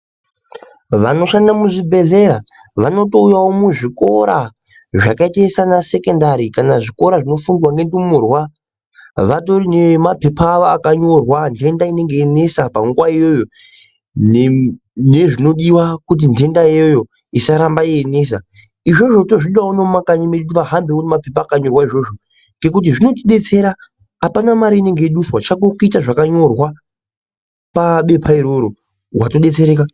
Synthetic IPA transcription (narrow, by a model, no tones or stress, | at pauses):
ʋano̞ʃandamuʐibʱe̞ɮe̞ɾa | ʋano̞to̞ujawomuʐiko̞ɾa | ʐakaitaesanase̞kendaɾikanaʐiko̞ɾaʐino̞funwaŋɡe̞ndumurwa | ʋato̞rinemape̞pʰaːʋoakaɲo̞rwande̞ndaine̞ŋɡeːne̞sapaŋɡwaijojo | ne̞ʐino̞ɗiwakut̬inte̞ndaiojo̞ | isaɾambaiene̞s̬a | iʐo̞ʐo̞to̞ʐiɗiwaunomakaɲimeɗutiʋaɦambeonimape̞paːkaɲo̞rwaiʐo̞ʐo | ŋɡe̞k̬ut̬iʐino̞t̬iɗe̞t͡se̞ɾaː | panamaɾiːne̞ŋɡeiɗuswat͡ʃakokuitaʐakaɲo̞rwa | paɓe̞pʰaiɾo̞ɾo̞ | watoɗe̞t͡se̞ɾe̞ːka